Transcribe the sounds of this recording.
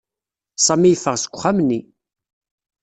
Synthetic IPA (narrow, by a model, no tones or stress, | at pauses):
sˤɑmijfəʁsə̥kʷːʊχamnːi